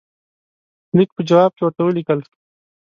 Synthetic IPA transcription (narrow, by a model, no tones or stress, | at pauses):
nik̚pəd͡ʒɐwaːb̚kewaʈawəlikəls